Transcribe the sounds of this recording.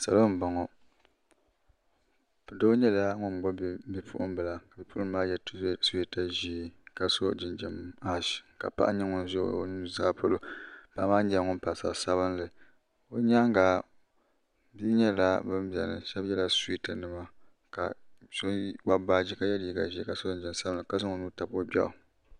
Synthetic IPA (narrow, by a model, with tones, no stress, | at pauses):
sa˨lo˦m̩˨ba˨ŋɔ˨ | do˦ɲɛ˦la˦ŋʊ˦n˨ɡ͡bɔ˦˨bi˦pʰṵ˦ʔʊ˦m˦bɨ˨la˨ka˨bi˨pu˦ʔʊ˦m˦maː˦jɛ˦tsi˦ta˨ʒi˦˨ka˨so˦˨d͡ʒɪ˨nd͡ʒɪ˨ma˦ʃka̰˨pa̰˦ʔa˦ɲɛ˦ŋʊ˨n˦zo̰˦˨˦nu˦zaː˦po˦lo˦pa˨˦maː˦ɲɛ˨ŋʊ˦n˦pa˨sa̰˨sa˦βɨ˦nlɨ˨ | o˦ɲa˦ŋ˦ɡa˨ | bi˦ɲɛ˦la˦bɨ˦m˦bɛ̰˨nɨ̰˨ʃɛ˦bjɛ˦la˨si˦ta˨nɨ˨ma˦ | ka̰˨so˦wa˦ba˨d͡ʒi˦ka˨˦jɛ˦dii˦ɡa˨ʒi˦ka˨so˦˨nd͡ʒi˦m˦sa˦bɨ˨nlɨ˨ka˦sɨ˦ŋo˨nu˦ta˨bo˦bɛ̰˦˨ʔʊ˨